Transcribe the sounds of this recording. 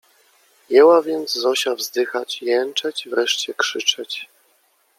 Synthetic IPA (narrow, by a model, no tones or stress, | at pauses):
jɛwavʲjɛnd̪zzɔɕavzd̪ɘxat͡ɕjɛnt͡ʂɛt͡ɕivɾɛʂt͡ɕɛkʂɘt͡ʂɛt͡ɕ